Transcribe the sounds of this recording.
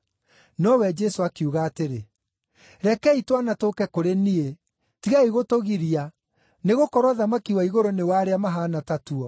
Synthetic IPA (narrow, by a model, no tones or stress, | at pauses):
nɔwɛd͡ʒɛsoakuɣaːteɾe | ɾɛkɛitwanatokɛkoɾenie | tiɣaiɣotoɣiɾia | neɣokɔɾwaðamakiwaiɣoɾonewaːɾeamaɦaːnatatuɔ